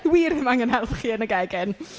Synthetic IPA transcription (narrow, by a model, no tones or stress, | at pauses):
wiːrɪmaŋənhɛlˠθχiːənəɡɛɡɪn